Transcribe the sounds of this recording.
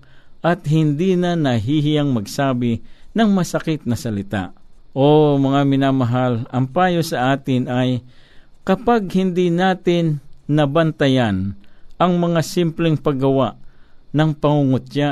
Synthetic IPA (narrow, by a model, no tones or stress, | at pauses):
ʔɐt̪̚hɪnd̪inanɐɦiɦɪjaŋmɐɡsaːbɪnɐŋmɐsɐkɪt̪̚nɐsɐlɪt̪a̰ʔʔomɐŋamɪnaːmɐɦalɐmpaːjosɐʔaːt̪ɪnaj | kɐpaɡ̚hɪnd̪inaːt̪ɪnːɐbɐnt̪ɐjanʔɐŋmɐŋasɪmplɛŋpɐɡɐwaʔnɐŋpɐŋuŋot̪̚t͡ʃa